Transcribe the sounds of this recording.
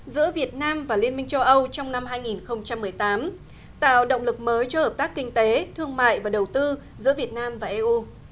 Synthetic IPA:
zɨ̰˧˥əvi˨˩ət̚naː˧mvaː˨˩li˧ənmï˧ŋ̟t͡ɕə˧wʔə˧wt͡ɕɔ˧wŋ͡mna˧mɦaː˧jŋi˨˩nxə˧wŋ͡mt͡ɕa˧mːɨ˨˩əjt̪aː˨˦m | t̪a̰ː˧˨wɗə̰˧˨wŋ͡mlɨ˨˩k̚məː˨˦jt͡ɕɔ˧həː˨˩p̚t̪aː˦˥kːï˧ŋ̟t̪e˨˦t̪ʰɨ˧əŋma̰ː˧˨jvaː˨˩ɗə˨˩wt̪ɨ˧ | zɨ̰˧˥əvi˨˩ət̚naː˧mvaː˨˩ʔe˧ʔu˧

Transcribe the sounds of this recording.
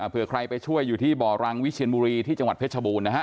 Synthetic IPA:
ʔaː˨˩pʰɯ˨˩ɐkʰɾa˧jpa˧jt͡ɕʰu˥˩əjːuː˨˩t̪ʰiː˥˩bɔː˨˩ɾa˧ŋwi˦˥t͡ɕʰi˧ənbuː˧ɾiː˧t̪ʰiː˥˩t͡ɕa˧ŋwa˨˩t̪̚pʰɯ˦˥t͡ɕʰaː˧buː˧nːa˦˥kʰa˦˥

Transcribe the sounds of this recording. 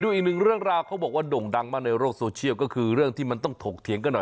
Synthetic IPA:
duː˧ʔiː˨˩k̚nɯ˨˩ŋɾɯ˥˩əŋɾaː˧wkʰa˦˥wbɔː˨˩k̚waː˥˩do˨˩ŋda˧ŋmaː˥˩na˧jɾoː˥˩k̚soː˧t͡ɕʰi˥˩əwkɔː˥˩kʰɯː˧ɾɯ˥˩əŋt̪ʰiː˥˩ma˧nt̪ɔ˥˩ŋt̪ʰoː˨˩k̚t̪ʰi˩˦əŋka˧˩nɔ˨˩

